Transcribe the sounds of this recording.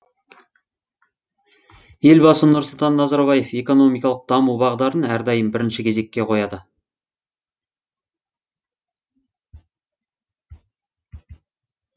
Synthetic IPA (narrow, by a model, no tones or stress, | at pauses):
je̞lbɑsənʊɾsəlˠt̪ɑnːɑzɑɾbɑje̞fe̞ko̞no̞mijkɑlˠəq̚d̪̥ɑmubɑʁəd̪ɑɾənæɾd̪ɑjəmbɪɾɪnʃɪkʲʰe̞ze̞kʲːe̞qʰo̞jɑd̪ə